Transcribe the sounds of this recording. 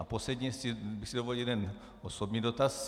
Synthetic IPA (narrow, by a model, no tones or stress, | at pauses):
a̰poslɛdɲɛsibɪxsidovolijɛldɛn | osobɲiːdot̪as